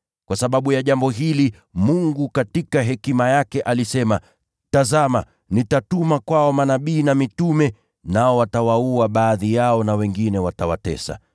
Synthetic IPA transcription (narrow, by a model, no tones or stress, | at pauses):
kwasaɓaɓujaʄambɔɦili | muŋɡukatikaɦɛkimajakɛʔalisɛma | tazama̰ | nitatumakwaɔmanaɓiːnamitumɛ | naɔwatawauaɓaːðijaɔnawɛŋɡinɛwatawa̰tɛ̰sa̰